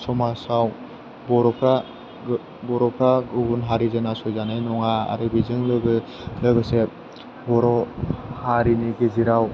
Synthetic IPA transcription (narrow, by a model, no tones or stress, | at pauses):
sɔmasaw | bɔɾɔpʰɾa | bɔɾɔpʰɾaɡuɡunɦaɾizɯnasɔjzanajnɔŋaa̰ɾɯbizɯŋlɯɡɯ | ləɡɯse | bɔɾɔhaɾiniɡiziɾaw